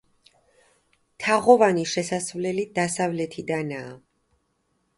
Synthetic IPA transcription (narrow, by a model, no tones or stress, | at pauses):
t̪ʰaʁɔvaniʃɛsasvlɛlid̪̥asavlɛt̪ʰid̪anaː